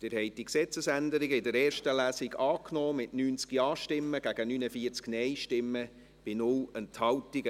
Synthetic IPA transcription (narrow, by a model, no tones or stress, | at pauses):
d̪̥ɪɾhɛɪd̥iksɛt͡səsændəɾɪɡəɪdəɾɛːrʃtəlæːsɪɡɑːknoːmɪtnyːnt͡skiɑːʃtɪmːəɡ̥æɡ̥ənyːnəfiːəɾt͡sknɛɪʃtɪmːə | b̥ɪnʊlənthɑwtɪɡə